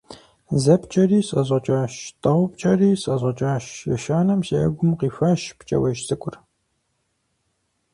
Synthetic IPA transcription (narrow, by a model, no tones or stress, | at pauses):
zɐpt͡ʃʼɐriːsʼɐʑʷɐt͡ʃʼaːʃtʼɐʁʷʊp̚t͡ʃʼɐriːsʼɐʑʷɐt͡ʃʼaːʃjɛ̰ʃaːnɐmsiɐ̰ɡʷʊmqiːfɐʃpt͡ʃʼɐ̰wɐʒsʼɨkʷʼʊr